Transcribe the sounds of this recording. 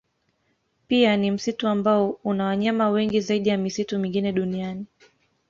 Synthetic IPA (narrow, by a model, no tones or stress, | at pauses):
pianim̩situambaɔunawaɲamawɛŋɡizaiɗijamisitumĩŋɡinɛɗuniani